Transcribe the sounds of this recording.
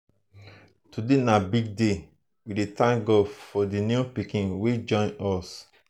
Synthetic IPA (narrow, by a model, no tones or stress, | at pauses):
tudenabiɡ̚de | widetãŋɡofɔdinjupikĩnwed͡ʒɔ̃nɔs